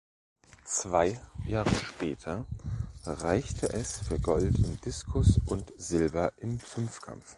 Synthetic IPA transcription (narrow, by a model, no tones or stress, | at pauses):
t͡sv̥aɪjaːʁəʃpɛːtʰɐ | ʁaɪçtʰəʔɛsfyːɐɡɔltɪmd̥ɪskʰʊsʔʊntz̥ɪlbɐʔɪmfʏnfkʰa̰mf